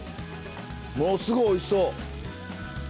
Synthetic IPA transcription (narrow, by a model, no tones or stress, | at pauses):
moːsɨɡoːisoː